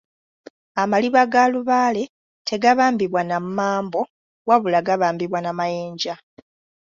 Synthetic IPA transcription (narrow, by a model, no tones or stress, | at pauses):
amaliβaɡaluβaːle̞ | tʰe̞ɡaβaːmbiβwanammaːmbo̞ | waβulaɡaβaːmbiβwanamajeːɲɟa